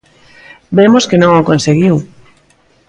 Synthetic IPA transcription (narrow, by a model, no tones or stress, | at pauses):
bemoskenõŋaokõnseɣiw